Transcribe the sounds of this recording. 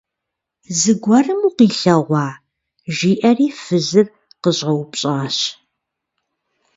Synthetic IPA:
zɨɡʷɐrɨmuːqiːɬɐʁʷɑː | ʒiːʔɐriːfɨzɨr | qəʑɐwpɕʼaːɕ

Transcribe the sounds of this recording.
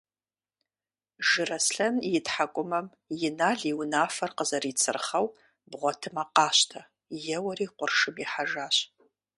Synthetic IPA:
ʒɨrɐsɬɐnjɪtħakʷʼʊmɐm | jɪnaːɮiwnaːfɐrqəzɐriːt͡sʰɨrχɐw | bʁʷɔtʰɨmaqɑːɕtʰɐ | jɛwɐriːqʷʊrʂɨmiħaʒaːɕ

